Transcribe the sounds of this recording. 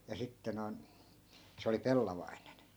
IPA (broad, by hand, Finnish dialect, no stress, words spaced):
jɑ sitːe noi̯n se oli pelːɑʋɑinen